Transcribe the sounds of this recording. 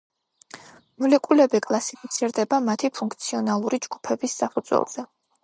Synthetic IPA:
mulɛkʼulɛbikʼlˠasipʰit̪sʰiɾd̪ɛbamat̪ʰipʰuŋkʰt̪sʰiɔnalˠuɾid͡ʒɡ̥u̥pʰɛbisːapʰud̪zwɛ̰lˠz̥ɛ

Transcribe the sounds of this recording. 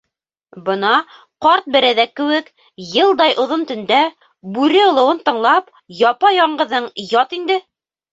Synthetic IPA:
bɤ̆nɑ | qɑɾt̪̚bɘ̆ɾæðækːɘ̆wɘk | jɤ̆lˠd̪ɑjʔŏðont̪ɵ̆nd̪æ | bʉɾɘŏlˠɤ̆wɤnt̪ɤ̆ɴlˠɑp | jɑpɑjɒɴɢɤ̆ðɤɴjɒt̪ind̪ɘ

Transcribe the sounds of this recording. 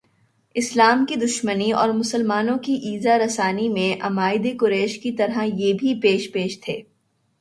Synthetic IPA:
ɪslaːmkid̪ʊʃməniɔ̰ːɾmʊsəlmaːnõkiʔiːzaɾɐsaːnimẽʔɐmaːɪd̪ekʊɾɛːʃkit̪ɐɾɦajeːbʱipeːʃpeːʃt̪ʰeː

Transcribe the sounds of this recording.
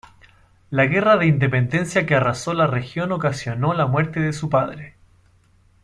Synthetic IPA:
laɣe̞raðe̞ind̪e̞pend̪e̞nsjakearasolarexjo̞nokasjo̞no̞lamwe̞ɾt̪eðesupaðɾe

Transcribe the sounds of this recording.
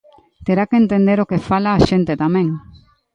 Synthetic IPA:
t̪eɾakeent̪end̪eɾokefalaːʃent̪et̪amẽŋ

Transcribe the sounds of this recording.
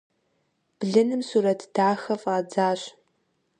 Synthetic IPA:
b̥ɮɨnɨmsuːɾɐtʰd̥aːxɐfaːd͡zaːɕ

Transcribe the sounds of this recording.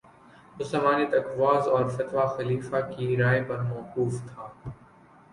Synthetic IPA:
ʊsɐmaːnit̪ɐkʋaːzɔːɾfɐt̪ʋaxɐliːfakiɾaːepɐɾmɔːquːft̪ʰaː

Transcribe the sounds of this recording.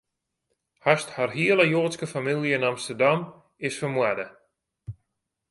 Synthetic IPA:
hastharɦiələjoːtskəfamilˠjəɪnɑmstərdam | ɪsfərmwadə

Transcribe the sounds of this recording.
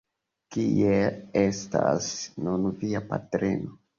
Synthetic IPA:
kieestasnunviapatɾḛno

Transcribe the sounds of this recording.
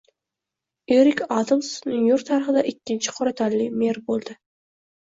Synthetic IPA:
eɾɪkʲɑd̪amsnjoɾk̚t̪ʰaɾɪχɪd̪aʔɪkʲʰːɪnt͡ʃʰɪ̥qʰoɾat̪ʰalːɪmeɾbolˠd̪ɪ

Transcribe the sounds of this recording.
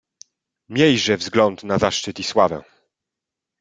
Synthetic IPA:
mʲjɛjʐɛvzɡlɔnt̪nazaʂt͡ʂɘt̪iswavɛ̰̃

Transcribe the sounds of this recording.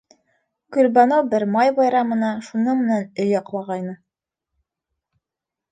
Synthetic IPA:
kʉlbɑnobɘɾmɑjbɑjɾɑmɤ̆nɑʃunɤmɘ̆nænɵjɒqlˠɑʁɑjnɤ

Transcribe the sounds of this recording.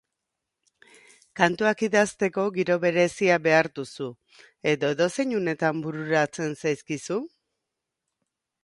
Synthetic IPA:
kant̪uakiðast̪e̞ko̞ɡiɾo̞βe̞ɾe̞siabe̞aɾd̪usu | e̞ðo̞eðo̞se̞ɲune̞t̪ambuɾuɾat͡se̞nsajskisu

